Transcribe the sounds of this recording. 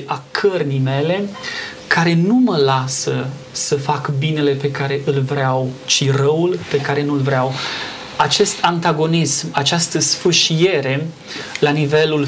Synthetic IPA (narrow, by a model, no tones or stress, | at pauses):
akʰərnijme̞le̞ | kʰaɾe̞numəlasə | səfakbine̞le̞pe̞kaɾe̞ʔɨlvɾeawt͡ʃirəulpe̞kaɾe̞nulvɾeaw | at͡ʃe̞st̪ʰant̪aɡo̞nismat͡ʃast̪əsfɨʃije̞ɾe̞ | lanive̞lul